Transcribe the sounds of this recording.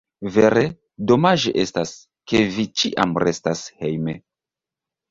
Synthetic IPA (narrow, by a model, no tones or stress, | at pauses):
ve̞ɾe | do̞maʒḛʔe̞stas | ke̞vit͡ʃiʔa̰mɾe̞stashejme